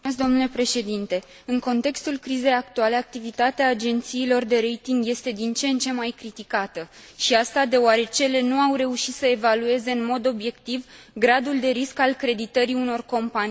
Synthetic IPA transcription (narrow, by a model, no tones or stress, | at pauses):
ezd̪o̞mnule̞pɾe̞ʃe̞d̪int̪e̞ | ɨŋko̞nt̪e̞kst̪ulkɾize̞jak̚t̪uale̞ak̚t̪ivit̪at̪eaːd͡ʒe̞nt̪siːlo̞rd̪e̞ɾe̞jt̪iŋɡje̞st̪e̞d̪int͡ʃe̞nt͡ʃe̞mːajkɾit̪ikat̪əʃiast̪ad̪e̞oaɾe̞t͡ʃe̞le̞nuawɾe̞uʃit̪səe̞value̞ze̞ɨnmo̞d̪o̞bje̞kt̪ivɡɾad̪uld̪e̞ɾiskalkɾe̞d̪it̪əɾiuno̞rko̞mpani